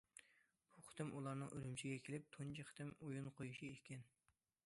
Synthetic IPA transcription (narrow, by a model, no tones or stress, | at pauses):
b̥uχɨ̥t̪ɪmʔulˠɑɾnɨŋʔø̰ɾymt͡ʃʰiɡʲɛkʲʰelɪp̚t̪ʰont͡ʃʰiχɨ̥t̪ɪmujunqʰojuʃiekʲɛn